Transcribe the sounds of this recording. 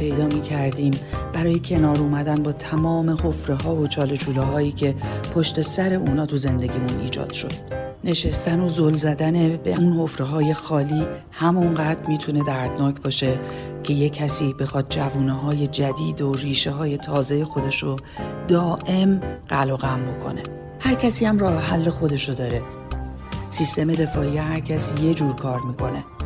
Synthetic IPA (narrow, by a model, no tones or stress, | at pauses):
pʰe̞jd̪ɒːmiːcʰæɾd̪iːmbæɾɒːje̞cʰe̞nɒːɾuːmæd̪ænbɒːt̪ʰæmɒːme̞ho̞fɾeɦɒːvot͡ʃʰɒːlet͡ʃʰuːlɒːɦɒːiːcʰe̞pʰo̞ʃt̪e̞sæɾe̞ʔuːnɒːt̪ʰuze̞nd̪e̞ɟʲiːmunḭːd͡ʒɒ̰ːd̪̥ʃo̞d̪̥ | ne̞ʃest̪æno̞zolzæd̪æne̞bḛunho̞fɾeɦɒːje̞xɒːliː | hæmunɢæːd̪ɾmiːt̪ʰune̞d̪æɾd̪̥nɒːcʰb̥ɒːʃe̞ | cʰe̞je̞cʰːæsiːbe̞xɒːd̪̥̚d͡ʒævuːneɦɒːje̞d͡ʒæd̪iːd̪oriːʃeɦɒːje̞t̪ʰɒːze̞je̞xo̞d̪e̞ʃo | d̪ɒːʔe̞mɢ̥æloɣæmbokʰo̞̰ne̞ | hæɾcʰæsiːhæmrɒːheɦælːe̞xo̞d̪e̞ʃod̪ɒːɾe̞ | sist̪e̞me̞d̪e̞fɒːijeɦæɾcʰæsije̞d͡ʒuːɾkʰɒːɾmiːkʰo̞ne̞